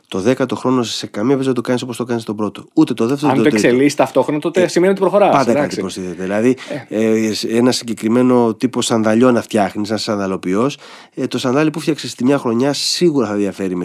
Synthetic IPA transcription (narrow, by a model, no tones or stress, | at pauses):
t̪o̞ðe̞kɐt̪o̞xɾo̞nosse̞kɐmiepizɐðɐt̪o̞kɐnis̬opost̪o̞kɐnist̪o̞pɾo̞t̪o̞ut̪e̞t̪o̞ðe̞ft̪eɾont̪okselist̪ɐft̪o̞xɾonɐt̪ot̪esimeniot̪ibɾoxo̞ɾɐpɐnd̪ɐɐt̪ipɾost̪iθet̪eðilɐði | senɐsiɲɟe̞kɾime̞no̞t̪ipo̞sɐnðɐʎo̞nɐft̪çɐxnis̬enɐsɐnðɐlo̞pio̞s | t̪o̞skɐnðɐlipufçɐksest̪imɲɐxɾo̞ɲɐsiɣuɾɐθɐnðiɐfe̞ɾime